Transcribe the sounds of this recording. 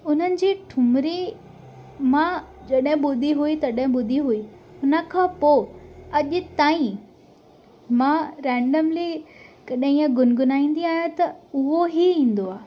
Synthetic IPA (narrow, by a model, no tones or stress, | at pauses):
ʊn̤ənɪ̆d͡ʑiːʈʰʊmɾi | mã | d͡ʑɐɗɦɪ̃ɓʊd̪ʱiɦuit̪ɐɗɦɪ̃ɓʊd̪ʱiɦuiʊnə̆kʰãːpoːɐʄʊ̆t̪aːĩ | mãɾɛ̃ːɳɖəmlikɐɗɦĩːə̃ɡʊnɡʊnaːĩːn̆d̪iaːɦjõt̪ɐʊɦoɦiĩːn̆d̪oaː